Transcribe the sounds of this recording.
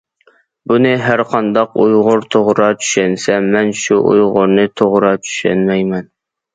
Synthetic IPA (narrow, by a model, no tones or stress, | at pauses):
bunɨɦæɾqʰɑnd̪ɑqujʁʊɾt̪ʰoʁɾɑt͡ʃʰy̥ʃɛnsɛmɛnʃuʔṵjʁʊɾnɨt̪ʰoʁɾɑt͡ʃ̪ʰy̥ʃɛ̰nmɛjmɛn